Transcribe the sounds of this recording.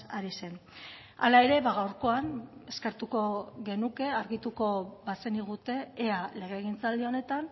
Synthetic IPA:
aɾise̞n | a̰lae̞ɾe̞βaɣ̞awɾko̞ane̞ske̞ɾt̪uko̞ɣe̞nuke̞aɾɣit̪uko̞βase̞niɣ̞ut̪e̞ːale̞ɣ̞e̞ːɣ̞int͡sald̪io̞ne̞t̪an

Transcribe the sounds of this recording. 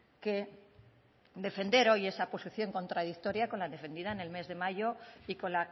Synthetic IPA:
ke | d̪e̞fe̞nd̪e̞ɾo̞je̞sapo̞siθjo̞ŋko̞nt̪ɾað̞ik̚t̪o̞ɾjako̞nlanðd̪e̞fe̞nd̪iðaene̞lme̞zðe̞maʝo̞iko̞nla

